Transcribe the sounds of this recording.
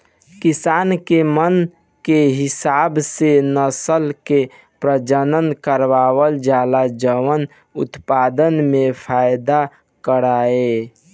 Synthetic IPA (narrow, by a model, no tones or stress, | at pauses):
kisaːnkemən | keɦɪsabsenəsəlke | pɾəd͡ʒənənkəɾʋawəld͡ʒalad͡ʒəʋən | ut̪pad̪ənmẽpʰajd̪a | kəɾae